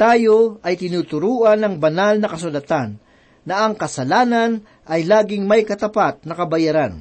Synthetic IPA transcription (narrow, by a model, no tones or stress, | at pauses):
t̪aːjo̞ʔɐjt̪ɪnuːt̪ʊɾuːʔɐnɐŋbɐnalnɐkɐs̬ʊlɐt̪anː | ɐʔɐŋkɐsɐlaːnɐn | ʔɐjlaːɡɪŋmɐjkɐt̪ɐpat̪̚nɐkɐbɐjaɾan